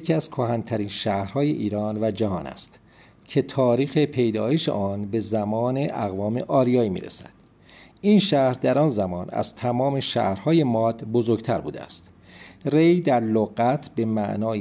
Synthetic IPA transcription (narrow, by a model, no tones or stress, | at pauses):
cʰiæz̥kʰohænt̪ʰæɾiːnʃæhɾhɒːjḛʔiːɾɒːnvæd͡ʒæɦɒːnæ̰st̪ | cʰe̞t̪ʰɒːɾiːxe̞pʰe̞jd̪ɒːjeʃḛʔɒːnbe̞zæmɒːne̞ʔæɣvɒːme̞̰ʔɒːɾijɒːiːmḭɾḛsæ̰d̪̥ | inʃæhɾd̪æɾɒːnzæmɒːnæ̰z̥t̪ʰæmɒːme̞ʃæ̰hɾhɒːje̞mɒːd̪bo̞zoɾɡt̪ʰæɾbṵːd̪eæ̰st̪ | re̞jd̪æɾloɣæt̪ʰbe̞mæ̰ʔnɒːj